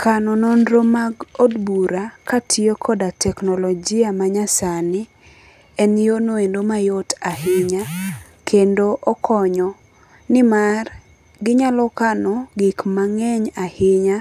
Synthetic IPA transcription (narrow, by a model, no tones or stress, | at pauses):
kanɔnondɾomaɡodbuɾakatʰiokʰɔdatʰɛknɔlɔd͡ʒɪamaɲasanɪ | ɛnjonoendomajotahɪɲa | kʰendoʔɔkʰɔɲɔ | nɪmar | ɡɪɲalɔkanɔɡɪkmaŋɛɲahɪɲa